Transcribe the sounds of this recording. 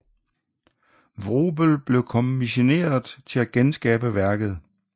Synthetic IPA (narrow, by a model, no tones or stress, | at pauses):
ʋʁoːb̥əlb̥le̝ʊkʰɒ̽mmiɕo̝ne̝̰ːɐð̩ˠt͡sʰe̝læɡ̥ensɡ̥ɛːb̥əʋæɐɡ̥ð̞̩ˠ